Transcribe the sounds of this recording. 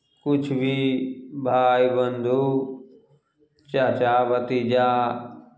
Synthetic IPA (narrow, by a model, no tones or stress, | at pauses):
kʊd͡ʒʰʱbibʱaːibənd̪ʱuː | t͡ʃaːt͡ʃaːʋɐt̪iːd͡ʒaː